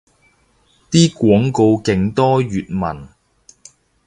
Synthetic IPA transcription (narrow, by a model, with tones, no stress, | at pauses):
t̪iː˥kʷwɔː˨˥ŋko˧wkɪ˨˧ŋt̪ɔː˥ɥyː˨t̚mɐ̰˨˩n